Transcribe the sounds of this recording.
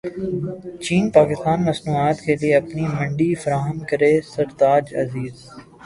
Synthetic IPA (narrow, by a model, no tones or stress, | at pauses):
t͡ʃiːnpaːkɪst̪aːnmɐsnuːaːt̪kelieɐpnimɐ̃ɳɖifɐɾaːɦəmkɐɾeːsɐɾt̪aːd͡ʒɐ̰ziːz